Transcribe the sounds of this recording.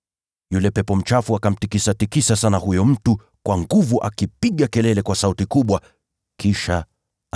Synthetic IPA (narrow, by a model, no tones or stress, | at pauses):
julɛpɛpɔm̩t͡ʃafuakam̩tikisatikisasanahujɔm̩tu | kwʔaŋɡuvuʔa̰kipiɠakɛlɛlɛkwasautikuɓwa | kiʃa